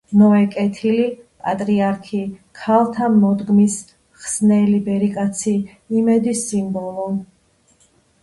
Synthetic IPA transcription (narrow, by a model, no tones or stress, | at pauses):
nɔɛkʼɛt̪ʰilipʼat̪ʼɾiaɾkʰikʰalˠt̪ʰamɔd̪ɡmis | χsnɛlibɛɾikʼat̪sʰiː | mɛd̪isimbɔlˠɔ